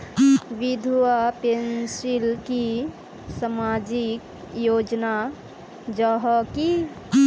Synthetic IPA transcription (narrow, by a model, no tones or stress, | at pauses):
ʋid̪ʱuwapensilki | samad͡ʒik | jod͡ʒna | d͡ʒəɦɔki